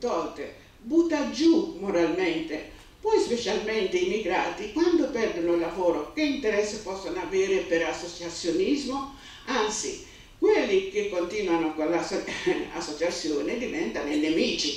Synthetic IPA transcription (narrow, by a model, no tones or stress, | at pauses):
t̪ɔlt̪e | but̪ːad͡ʒumoɾalment̪e | pɔjspet͡ʃalment̪eimiɡɾaːt̪ikwand̪opɛrd̪onoilːavoːɾokeint̪ɛɾɛsːepɔsːonoaveːɾepeɾasːot͡ʃat̪sːjonizmo | ant̪sḭ | kwelːikekːont̪iːnwanokolːasa̰sːot͡ʃat̪sːjoːned̪ivɛnt̪anelːemiːt͡ʃi